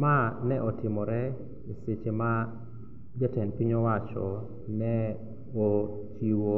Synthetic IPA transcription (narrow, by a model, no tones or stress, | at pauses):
manɛʔɔtɪmɔɾɛ | iset͡ʃema | d͡ʒatɛnpiɲɔwat͡ʃɔ | nɛ | o | t͡ʃiwo